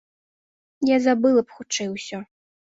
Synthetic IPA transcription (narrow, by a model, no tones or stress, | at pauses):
jazabɨlˠɐpxut͡ʂɛjwsʲɔ